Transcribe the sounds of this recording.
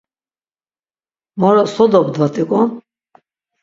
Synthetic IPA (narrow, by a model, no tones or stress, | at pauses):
mɔɾɔsɔd̪ɔbd̪vat̪ʼikʼɔ